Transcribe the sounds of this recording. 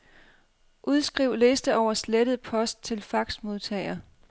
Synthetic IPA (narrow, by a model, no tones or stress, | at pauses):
ʔuðˠsɡ̥ʁiʊ̰le̝ːsd̥əɒʊ̰ɐsleɾ̥əð̞̩ˠpʰɒ̽sd̥̚t͡sʰe̝lfɑ̈ɡ̥smo̝ð̞ˠt͡sʰɛ̰ɪɐ